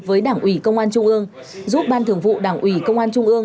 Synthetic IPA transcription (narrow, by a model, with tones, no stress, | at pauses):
vəː˨˦jɗaː˧˩ŋʔwi˧˩kə˧wŋ͡mʔaː˧nt͡ɕʊ˧ŋ͡mʔɨ˧əŋ | zu˦˥p̚ɓaː˧nt̪ɨ˨˩əŋvṵ˧˨ɗaː˧˩ŋʔwi˧˩kə˧wŋ͡mʔaː˧nt͡ɕʊ˧ŋ͡mʔɨ˧əŋ